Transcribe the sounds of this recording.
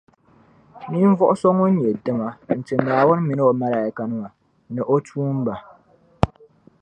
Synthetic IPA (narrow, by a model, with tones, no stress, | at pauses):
mi˦ɱ̩˦vɔ˦ʔʊ˦sɔ˦ŋo˦ɲɛ˨dɨ˦ma˦n̩˨t͡ʃɨ˨nːaː˨wʊ˦n˦mi˨n˦o˨ma˦˨la˨ka˨nɨ˦ŋa˨ | nɨ˨ʔo˦tuː˦m˦ba˨